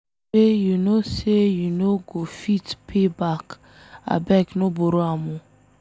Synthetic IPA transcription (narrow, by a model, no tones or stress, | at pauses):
ejunosejunoɡofitpʰebak | a̰bɛknoboɾoamũ